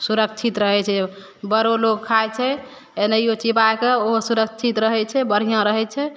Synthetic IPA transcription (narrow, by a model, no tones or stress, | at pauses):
suɾəkt͡ʃʰit̪ɾəɦɛt͡ʃʰɛ | bəɾoloɡkʰajt͡ʃʰɛ | enəjot͡ʃipaekeoɦosuɾəkʰt͡ʃʰit̪ɾəɦɛt͡ʃʰɛbəɽ̤ijãɾəɦɛt͡ʃʰɛ